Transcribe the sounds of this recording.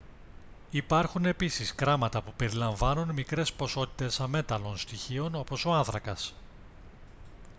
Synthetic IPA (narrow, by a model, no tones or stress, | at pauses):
ipɐɾxune̞pisiskɾɐmɐt̪ɐpupe̞ɾilɐɱvɐnunmikɾe̞spo̞so̞t̪i̥t̪e̞sɐme̞t̪ɐlonst̪içio̞no̞po̞so̞ɐnθɾɐkɐs